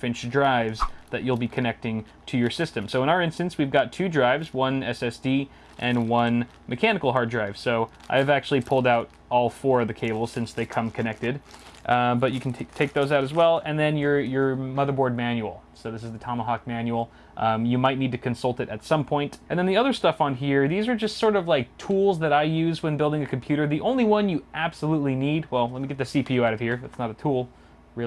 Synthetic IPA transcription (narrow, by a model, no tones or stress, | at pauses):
fɪ̃nt͡ʃdɹaɪvzðɨt͡ʃul̩ˠbikʰɨnɛk̚tɪ̃ŋ | tʰɨjə˞sɪstɨ̃msoʊə̃ɾ̃aʊə˞ɪ̃nstɨ̃nswivɡɑtʰʉdɹaɪvzwʌ̃nɛsɛsd̥i | ʔɨ̃nwʌ̃n | mʔɨkʰænɨkl̩ˠɦɑɹdɹaɪv̥soʊʔa̰ɪɨvæk̚t͡ʃʉl̩ˠipʰʊlˠdaʊɾ | ɔlˠfɔɹʌðɨkʰeɪbl̩ˠz̥sɪ̃nsðeɪkʰʌ̃mkʰɨnɛk̚tɨd | bʌt͡ʃɨkʰn̩ʰtʰeɪk̚ðoʊzaʊɾɨzwɛlˠɨ̃nðɨ̃njə˞jə˞mʌðə˞bɔɹd̚mæ̃njul̩ˠsoʊðɪs̬ɨzðɨtʰɑməɦɑk̚mæ̃njul̩ˠ | ʔjɨmaɪtⁿnid̚tɨkʰɨ̃nsʌlˠtɨɾɨtsʌ̃mpʰɔ̃ɪ̃ntʔɨ̃nðɨ̃nðiʌðə˞stʌfn̩ɦiɹðizə˞d͡ʒʌstsɔɹɾʌvlaɪk̚tʰulˠzðɨɾaɪjʉzwɨ̃nbɪlˠdɪ̃ŋɨkʰm̩pʰj̥ʉɾə˞ðiʔõʊ̃nliwʌ̃njɨʔæb̥səlutˡlinid̚wɛlˠlɛt̚miɡɛt̪̚ðɨsipʰijʉaʊɾʌv̥hiɹðætsnəɾɨtʰulˠ | ɹɪ